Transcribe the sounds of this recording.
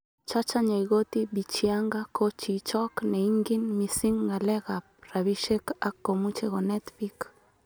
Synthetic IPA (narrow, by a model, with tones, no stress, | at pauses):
t͡ʃa˦t͡ʃa˦ɲa˨iɡo˦t̪ibi˨t͡ʃiaŋɡa˦kʰo˦t͡ʃi˨t͡ʃɔ˦knɛ˨iŋɡi˦nmi˨si˦ŋːa˨lɛ˦ɣa˨p̚ɾa˨βi˦ʃe˦ka˦kːo˨mu˦t͡ʃeɣo˨nɛ˦t̪bi˦k